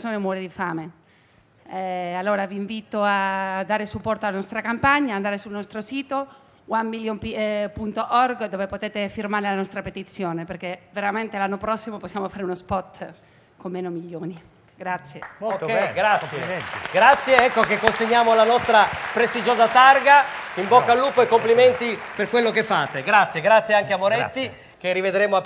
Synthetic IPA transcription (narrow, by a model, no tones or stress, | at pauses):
soːnomwɔːɾed̪ifaːme | ɛalːoːɾaviːɱviːt̪oad̪aːɾesupːɔrt̪oalanɔst̪ɾakampaɲːaːnd̪aːɾesulnɔst̪ɾosiːt̪o | wamːiljompipunt̪oʔɔrɡd̪oːvepot̪eːt̪efirmaːɾelanɔst̪ɾapet̪it̪sːjoːneperkeveɾament̪elanːopɾɔsːimoposːjaːmofaːɾeunospɔt̪ː | komːeːnomiljoːni | ɡɾat̪sːjekɡɾat̪sjeɡɾat̪sːjeɛkːokekːonseɲːaːmolanɔst̪ɾapɾest̪id͡ʒoːzat̪arɡaimbɔkːalːuːpoekːomplimɛnt̪i | perkwelːokefːaːt̪eɡɾat̪sːjeɡɾat̪sjeaŋkeamoɾɛt̪ːi | k̟erːived̪ɾeːmoa